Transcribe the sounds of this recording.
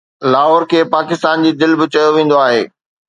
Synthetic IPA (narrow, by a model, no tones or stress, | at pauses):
laːɦɔːɾkʰeːpaːkɪst̪aːnd͡ʑiːd̪ɪlbɪt͡ɕɐjoʋẽːn̆d̪oaːɦeː